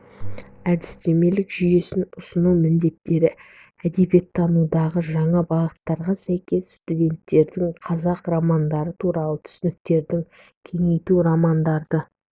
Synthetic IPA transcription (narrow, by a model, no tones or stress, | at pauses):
æd̪ɪst̪e̞me̞lɪkʒʏje̞sɪnʊsənuwmɪnd̪e̞t̪ːe̞ɾɪ | æd̪e̞bje̞t̪ʰːɑnud̪ɑʁəʒɑɴɑbɑʁət̪ːɑɾʁɑsæjkʲe̞sst̪ud̪ʲe̞nt̪ːe̞ɾd̪ɪŋqʰɑzɑqramɑnd̪ɑɾət̪ʰuɾɑlˠət̪ʰʏ̥sɪnɪk̚t̪e̞ɾd̪ɪŋ | kʲʰe̞ŋe̞jt̪uɾɑmɑnd̪ɑɾd̪ə